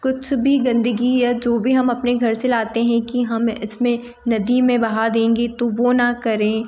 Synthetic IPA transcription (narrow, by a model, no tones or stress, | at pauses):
kʊt͡ʃʰbʱiɡɐ̃nd̪əɡiɛd͡ʒoːbʱiɦɐmɐpneɡʱɐɾselaːt̪eɦɛ̃kiɦɐmɪsmẽ | nɐd̪imẽbɐɦad̪ẽːŋɡet̪oʋonɐkɐɾẽː